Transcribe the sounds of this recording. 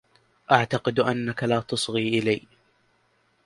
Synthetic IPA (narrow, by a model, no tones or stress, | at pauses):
ʔaʕt̪aqɨd̪ʔanːakalaːt̪ɑsˤɣiːʔɪlaj